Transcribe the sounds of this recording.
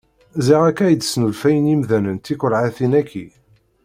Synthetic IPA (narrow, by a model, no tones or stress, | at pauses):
ziʁækːæjd̪snulfæjənimðænənt̪ikʷəɾˤʕaθinækʰːi